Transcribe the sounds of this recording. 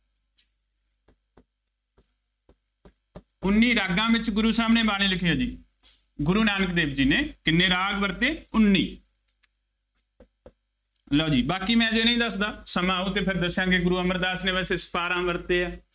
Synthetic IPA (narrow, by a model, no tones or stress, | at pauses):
ʊnːiːɾaːɡãːbɪt͡ʃɡʊɾuːsaːmneːbaːliːlɪkʰiːaːd͡ʒiː | ɡʊɾuːnaːnəkd̪eːb̚d͡ʒiːnẽːkɪnːeːɾaːɡbəɾt̪eːʊnːiː | əloːd͡ʒiːbaːkiːmɛ̃ːd͡ʒeːnəĩːd̪əsd̪aːsəmãːuːt̪eːpʰɪɾd̪əsjãːɡeɡʊɾuːəməɾd̪aːsnẽːbɛːseːsə̥paːɾãːʋəɾt̪eːɛː